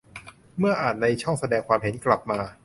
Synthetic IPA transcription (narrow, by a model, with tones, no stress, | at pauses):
mɯ˥˩ɐʔaː˨˩t̪̚na˧jt͡ɕʰɔ˥˩ŋsa˧dɛː˧ŋkʰwaː˧mhe˩˦nkla˨˩p̚maː˧